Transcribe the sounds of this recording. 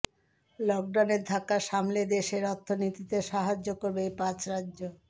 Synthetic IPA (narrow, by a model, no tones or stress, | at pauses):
lɔk̚ɖawneɾd̪ʱakːaʃamled̪eʃeɾɔt̪ʰːonit̪it̪eʃaɦad͡ʑːokoɾbejpãt͡ɕɾadːʑo